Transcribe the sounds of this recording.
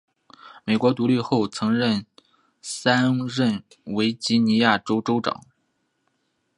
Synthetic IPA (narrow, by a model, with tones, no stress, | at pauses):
me˨˩ɪkwɔ˧˥t̪u˧˥li˥˧xo˥˩ʊt͡sʰɤ˧˥ŋɻə˥˩n | sa˥nɻə˥˩n | we˧˥ɪt͡ɕi˧˥ni˧˥ja˥˩ʈ͡ʂo˥ʊʈ͡ʂo˥ʊʈ͡ʂɑ̰˨˩˦ŋ